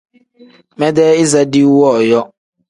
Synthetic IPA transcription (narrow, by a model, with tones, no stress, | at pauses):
mɛ˦dɛ˦ɪ˦za˦dɪ˦wɔ˦˨jɔ˦